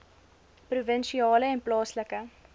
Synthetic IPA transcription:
pruvənʃiɑːləɛnplɑːsləkə

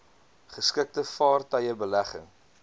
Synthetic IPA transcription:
χəskək̚təfɑːrtɐjəbəlæχə̰ŋ

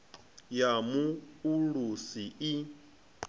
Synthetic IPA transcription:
jamuulusii

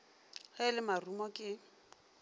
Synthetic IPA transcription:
halɪmarumɔkʼɪ

